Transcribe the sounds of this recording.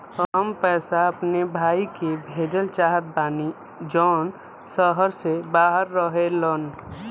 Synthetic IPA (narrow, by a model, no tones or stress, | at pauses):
əɦəmpɛːsaəpnebʱaːikebʱeːd͡ʒəlt͡ʃaːɦət̪̚baːni | d͡ʒɔːn | səɦəɾsebaːɦəɾːəɦelən